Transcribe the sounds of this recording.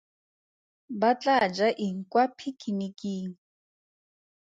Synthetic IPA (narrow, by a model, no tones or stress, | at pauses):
bat͡ɬʼad͡ʒaʔiŋ̩kwapʰikʰinikʼiːŋ̩